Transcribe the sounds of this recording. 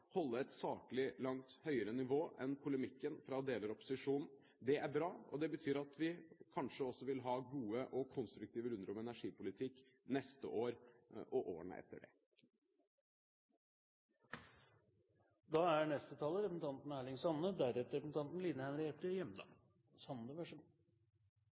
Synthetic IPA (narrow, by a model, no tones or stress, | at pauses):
hɔlːəɾɛt̪sɑːkəlɪlɑŋt̪hœʏəɾənɪʋoːʔɛnpʰʊləmɪkːənfɾɑd̪eːləɾɔpːʊ̥sɪʂuːnn̩ | d̪ɛæɾbɾɑːɔd̪ɛbət̪ʰyːɾɑt̪ʋɪkʰɑnʂəɔsːɔʋɪlɦɑːɡuːəʔɔkʰɔnst̪ɾʉkt̪ʰiːʋəɾʉnd̪əɾɔmɛnæʂiːpʊlɪt̪ʰɪkː | nɛst̪ə̰ʔoːɾʔɔʔoːɳə̰ʔɛ̰t̪ːə̰ɖɛ̰ | d̪ɑːæɳɛst̪ət̪ʰɑːlːəɾɛpəsn̩t̪ɑnt̪n̩æːɭɪŋsɑnːəd̪æɾɛt̪ːəɾɛpsn̩t̪ɑnt̪n̩liːnəhɛnɾɛʈ̪əjɛmːd̪ɑ̰ː | sɑnnəʋæʂuːn